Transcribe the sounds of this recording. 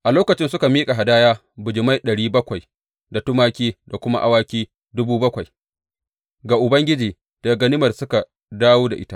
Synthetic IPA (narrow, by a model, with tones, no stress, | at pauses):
ʔa˨loː˦kɐ˨t͡ʃɪ˦nsʊ˦ka˨miː˦kʼa˨ɦa˨daː˦jaː˦ | bʊ˨d͡ʒɪ˨ma˦jɗɐ˨ɽiː˦bɐ˦kʷa˨j | da˨tʊ˦maː˦kʲiː˦da˨kʷʊ˦ma̰˦ʔa̰˦waː˦kʲiː˦ | dʊ˦buː˦bɐ˦kʷa˨j | ɡaː˨ʔʊ˨bɐ˦ŋɡʲɪ˦d͡ʒiː˨ | d̥a˨ɡɐ˨nɪ˦mɐ˨rsʊ˦ka˨ | daː˦woː˦da̰˨ʔɪ˦ta˦ʔ